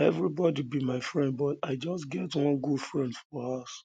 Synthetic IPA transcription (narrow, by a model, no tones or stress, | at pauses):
ɛvɹibɔdibimaɪfɹɛ̃nd̚bɔtaɪd͡ʒɔsɡɛtwɔ̃nɡudfɹɛ̃ndfɔas